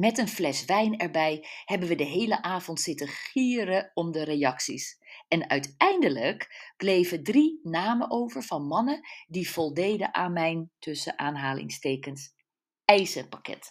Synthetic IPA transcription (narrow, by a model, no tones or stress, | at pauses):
mɛtənflɛsʋɛjnɛɹbɛjhɛbənʋədəɦejləʔaːvɔntsɪtəχiːɾəɔmdəɾejɑksḭsɛnœɥtɛjndələkb̥lejvədrinaːməʔowvəɹvɑnmɑnədiv̥ɔlˠdejdə̰ʔaːnmɛjntɵsəʔaːnɦaːlɪ̰ŋstejkəns | ɛjzəpakɛ̰t